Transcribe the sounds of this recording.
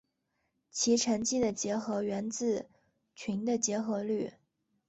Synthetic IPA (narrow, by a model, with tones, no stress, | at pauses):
t͡ɕʰi˧˥ʈ͡ʂʰə˧˥nt͡ɕi˥˩d̪ə˩t͡ɕjɛ˧˥xɤ˧˥ɥɛ˧˥nt͡sɹ̩˥˩ | t͡ɕʰy˧˥nd̪ə˧t͡ɕjɛ˧˥xɤ˧˥ly˥˩